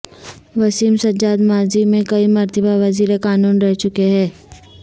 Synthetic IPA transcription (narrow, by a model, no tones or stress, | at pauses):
ʋɐsiːmsɐɲd͡ʒaːd̪maːzimẽkɐimɐɾt̪əbaʋɐziːɾekaːnuːnɾɛɦt͡ʃʊkeɦɛ̃ː